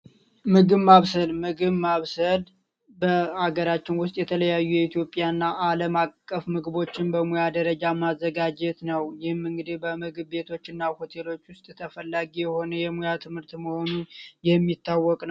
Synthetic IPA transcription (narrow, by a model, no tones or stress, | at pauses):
mɨɡɨβmaβsəlmɨɡɨβmaβsəl | bəaɡəɾat͡ʃːɪnwʊst̪ʼjɛt̪ʰələjajːujɛit̪ʰjo̞pʼːjanːaʔaləmakʼːəfmɨɡβo̞t͡ʃːɪnbəmujad̪əɾəd͡ʒamazːəɡad͡ʒɛt̪nəwjɪhɨmːɨŋɡɨd̪ibəmɨɡɨbːe̞t̪ʰo̞t͡ʃːɨnːaho̞t̪ʰe̞lo̞t͡ʃːwʊst̪ʼt̪ʰəfəlːaɡijɛho̞nəjɛmujat̪ʰɨmhɨɾt̪məho̞nunjɛmːit̪ʰːawːɔkʼnəw